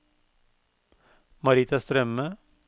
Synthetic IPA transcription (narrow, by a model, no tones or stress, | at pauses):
mɑɾiːt̪ɑst̪ɾœmə